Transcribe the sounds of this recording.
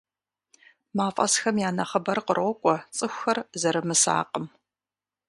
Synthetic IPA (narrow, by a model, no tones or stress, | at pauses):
maːfʼɐ̰sxɐmjaːnɐχɐbɐrqərɔkʷʼɔt͡sʼɨxʷxɐrzɐɾɨmɨsa̰ːqəm